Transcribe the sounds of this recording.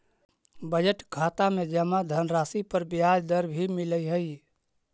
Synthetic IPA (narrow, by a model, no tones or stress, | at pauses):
bəd͡ʒəʈkʰat̪amed͡ʒəmad̪ʱənɾaːsipəɾbjad͡ʒd̪əɾbʱimiləjɦəj